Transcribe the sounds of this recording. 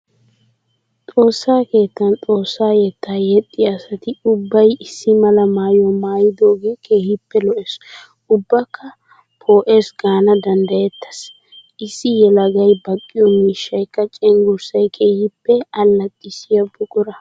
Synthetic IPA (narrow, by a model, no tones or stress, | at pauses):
t̪ʼo̞ːsːaːke̞ːt̪ːɐnt̪ʼo̞ːsːaːjɛt̪ːaːjɛt̪ʼːɪjɐsɐt̪ɪʊbːɐjɪsːɪmɐlɐmaːjɔmaːjɪd̪oːɡeːkʰeːhɪpːɛlɔʔɛs | ʊbːɐkːɐ | pʰo̞ːʔeːsɡaːnɐd̪ɐnd̪ɐjɛt̪ʰːɐ̥s | ʔɪsːɪjɛlɐɡɐjbɐkʼːɪjɔmiːʃːɐjkːɐt͡ʃʼɛŋɡʊɾsɐjkʰeːhɪpːɛɐlːɐt̪ʼːɪsɪjɐbʊkʼʊɾɐ